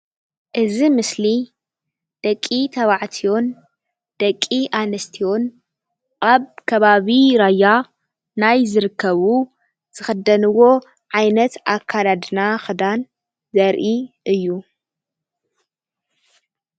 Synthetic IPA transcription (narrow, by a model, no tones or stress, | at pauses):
ʔɨzimɨsli | d̪̥ɐkʼːit̪ʰɐβaʕt̪ʰijo̞n | d̪̥ɐkʼːiʔanɐst̪ʰijo̞n | ʔʼaβkʰɐβaβiɾaja | najzɨɾɨkʰːɐβu | z̥ɨxɐd̪ɐnɨwo̞ | ʕajnɐt̪akʰːalad̪naxɨd̪an | zɐɾʔiʔɨjːu